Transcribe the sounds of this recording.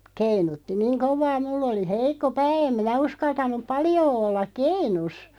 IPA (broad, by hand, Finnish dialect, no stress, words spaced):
keinutːi niːŋ koʋˑɑː mulː oli heikˑo pæː em minæ uskɑltɑnˑup̆ pɑljoː olːɑk̆ keinus